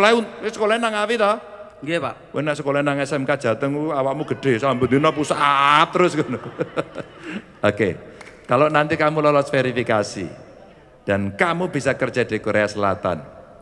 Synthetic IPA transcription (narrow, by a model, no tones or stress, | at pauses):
laiusəkolainaŋawit̪ɔ | a | wʔḛnasəkolainaŋɛsɛmkad̥ʒ̥a̤t̪əŋuawamuɡ̥ə̤ɖ̥e̤sambund̪inɔpusaʔatt̪ːəɾʊsɡun | okekalonant̪ikamulɔlɔt̪feɾifikasḭ | d̥a̤nkamub̥i̤sakərd͡ʒ̥ad̥i̤koɾeasəla̰t̪a̰n